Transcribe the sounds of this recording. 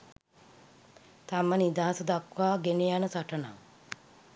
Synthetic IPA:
t̪amənid̪aɦasəd̪akʋaːɡenejanəsaʈəna̰ŋ

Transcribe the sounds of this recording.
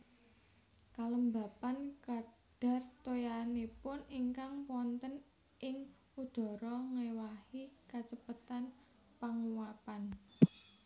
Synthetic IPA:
kaləmba̤pankad̥a̤rt̪ojanipʊniŋkaŋpwɔnt̪ən | ʔɪŋ | ud̪̥ɔ̤ɾɔŋewahikat͡ʃəpət̪an | paŋuwapan

